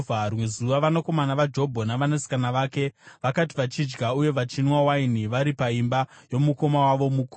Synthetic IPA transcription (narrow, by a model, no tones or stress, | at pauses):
arwe̞zuʋaʋanako̞manaʋad͡ʒo̞bʱonaʋanasi̥kanaʋaːke̞ʋakati̥ʋat͡ʃid͡ʒɡauje̞ʋat͡ʃinwawainiʋaɾipaimbajo̞muko̞mawaʋo̞mukː